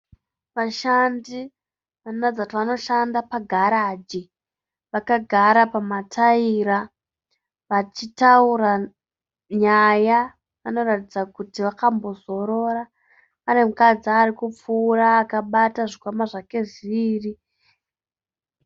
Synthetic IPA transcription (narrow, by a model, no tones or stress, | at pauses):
ʋaʃandi | ʋannad͡zatiʋano̞ʃandapaɡʱaɾaːd͡ʒi | ʋakaɡʱaɾapamatʰaiɾa | ʋat͡ʃitauɾa | ɲaja | ano̞ratid͡zakutiʋakambo̞zo̞ɾo̞ɾa | ane̞mukad͡ziarikup͡fuːraːkaɓataʐikwamaʐake̞ʐiʋiːri